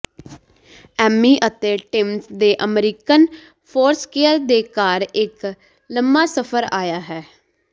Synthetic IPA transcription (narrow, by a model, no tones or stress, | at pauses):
ɛːmiːʔət̪eːʈɪmsd̪eːʔəmɾiːkən | pʰoːɾskeːəɾd̪eːkaːɾɪk | ləmbaːsəpʰəɾaːjaːɦɛː